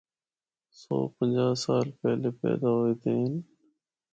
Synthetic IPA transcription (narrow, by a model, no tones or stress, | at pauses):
so̰ːpənd͡ʒaːsaːlpɛːleːpɛ̰ːd̪aːɦoeːt̪eːɦɪn